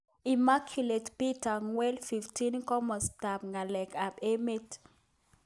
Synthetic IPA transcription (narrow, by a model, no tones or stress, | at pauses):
imakʰjuletpitaŋwɛlfiftinkɔmɔstap̚ŋalɛkʰapemet